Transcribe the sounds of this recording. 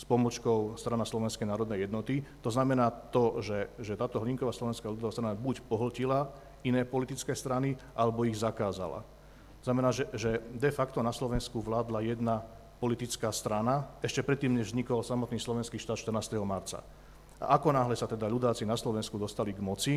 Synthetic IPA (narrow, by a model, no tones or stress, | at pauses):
spɔmɔt͡ʃkɔʊst̪ɾanaslɔʋɛnskɛjnaːɾɔd̪nɛjɛd̪nɔt̪it̪ɔznamɛnaːt̪ɔʒɛʒɛt̪aːt̪ɔɦliŋkɔʋaːslɔʋɛnskaʎud̪ɔʋast̪ɾanabucpɔɦl̩cila | inɛːpɔlit̪it͡skɛːst̪ɾaniʔalɛbɔiɣzakaːza̰la̰ | t̪ɔznamɛnaːʒɛʒɛd̪ɛfakt̪ɔnaslɔʋɛnskuʋlaːd̪lajɛd̪na | pɔlit̪it͡skaːst̪ɾanaɛʃcɛpɾɛt̪ːiːmɲɛʒvzɲikɔlsamɔt̪niːslɔʋɛnskiːʃt̪aːt̪t͡ʃt̪əɾnaːst̪ɛɦɔmaɾt͡sa̰ | ʔa̰ʔakɔnaːɦlɛsat̪ɛd̪aʎud̪aːt͡sinaslɔʋɛnskud̪ɔst̪aliɡmɔt͡si